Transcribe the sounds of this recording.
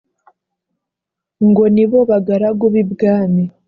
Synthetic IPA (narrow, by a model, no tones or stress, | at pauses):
ŋɡo̞niβo̞βaɡaɾaɡoβibɡaːmi